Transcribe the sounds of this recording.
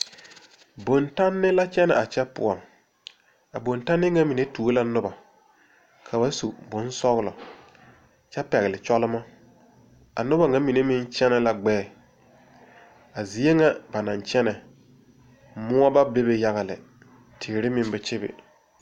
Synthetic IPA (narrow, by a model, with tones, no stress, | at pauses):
bo˨nta˦nːɪ˦la˦t͡ʃɛ˦nɛ̰˨ʔa˨t͡ʃɛ˦pʊ̰˨ɔ˨ŋ | a˨bo˨nta˦nːɪ˦ŋa˦mi˨ne˦tu˨o˦la˦nʊ˦ba˨ | kʰa˨ba˦sṵ˨bʊ˨˦n˦sɔ˦ɣlɔ̰˨ | t͡ʃɛ˦pɛ˨ɣɪ˨lɪ˨t͡ʃɔ˦lɪ˦ma˦ | a̰˨nʊ˦ba˨ŋa˦mi˨ne˦mɪ˦nt͡ʃɛ˦nɛ˦la˨ɡ͡bɛː˦˨ | a˨zi˨˦e˦ŋa˦ba˨na˨nt͡ʃɛ˦nɛ˨ | mʊ˦ɔ˦ba˦be˦be˨ja˦ɣa˨lɪ̰˨ | tʰeː˨ɾɪ˦mɪ˦nbɛ˨t͡ʃɪ˦bɪ̰˨